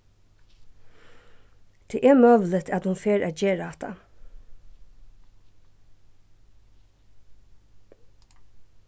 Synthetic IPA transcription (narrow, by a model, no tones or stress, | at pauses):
d̪̥ʰeːʔɛɹmøːʋl̩ɪt̪ʰæt̪hʊnfeːɹʔæ̰ːt̪̚d͡ʒeːɹaat̪a̰